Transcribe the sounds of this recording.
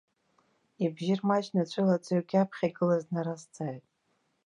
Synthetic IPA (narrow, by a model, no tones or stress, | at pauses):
ibʒɪrmat͡ʃnat͡ʃʷʰʼɨlat͡sʷʼaɥɡʲapʰχʲaɡɨlaznaɾast͡sʰʼaːjtʼ